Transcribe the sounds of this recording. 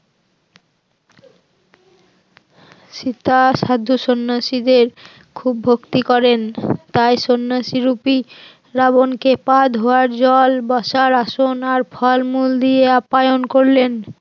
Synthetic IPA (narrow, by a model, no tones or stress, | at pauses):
ʃit̪aʃad̪ʱːoʃonːaʃid̪eɾ | kʰubʱokt̪ikɔɾent̪ajʃonːaʃiɾupi | ɾaβonkepad̪ɦooaɾd͡ʑɔlbɔʃaɾaʃonaɾpʰɔlmuld̪ieapajonkoɾlen